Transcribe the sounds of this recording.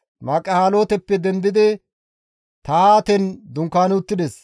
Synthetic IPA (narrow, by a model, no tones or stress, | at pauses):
maːkʼːɐhaːlo̞ːt̪ɛpːɛd̪ɛnd̪ɪd̪ɪ | t̪ɐaːt̪ɛnd̪ʊŋkːaːnʊt̪ːɪd̪ɛs